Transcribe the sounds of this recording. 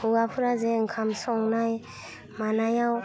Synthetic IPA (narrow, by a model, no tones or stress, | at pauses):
uɡapʰuɾazɛŋ̩kʰam̩sɔŋunajɛ | manajau